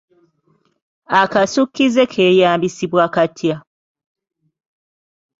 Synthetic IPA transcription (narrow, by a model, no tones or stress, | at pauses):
akasukːize̞kʰe̞ːjaːmbisiβwakatʰja